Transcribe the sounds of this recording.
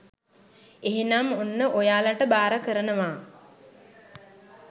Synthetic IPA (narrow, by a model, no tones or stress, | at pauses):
eɦenamunːəʔojaːlaʈəbaːɾəkəɾənəʋaː